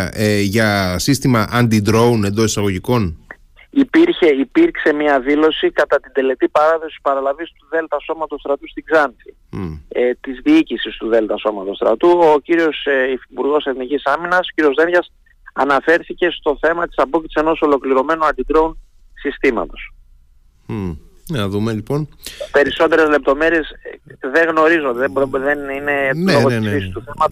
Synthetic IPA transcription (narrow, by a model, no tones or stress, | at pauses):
eʝɐsist̪imɐʔɐnd̪id̪ɾo̞une̞nd̪o̞sisɐɣo̞ʝiko̞n | ipiɾçe̞ipiɾkse̞mɲɐðilo̞sikɐt̪ɐt̪ind̪e̞le̞t̪ipɐɾɐðo̞si̥pɐɾɐlɐvist̪uðe̞lt̪ɐso̞mɐt̪ost̪ɾɐt̪ust̪iɡzɐnθi | t̪izðiicisist̪uðe̞lt̪ɐso̞mɐt̪o̞st̪ɾɐ̰t̪uociɾio̞sifipuɾɣo̞se̞θnicisɐminɐso̥ciɾio̞zðe̞nʝɐs | ɐnɐfe̞ɾθice̞st̪o̞θe̞mɐt̪i̥sɐpo̞cit̪sise̞no̞so̞lo̞kliɾo̞me̞noɐnd̪id̪ɾeun | sist̪imɐ̰t̪o̞̥s | nɐðumelipo̞npe̞ɾiso̞t̪e̞ɾe̞zle̞p̚t̪o̞me̞ɾie̞sðeɣno̞ɾizod̪eðenineloɣoisɾisi̥st̪uθemɐt̪u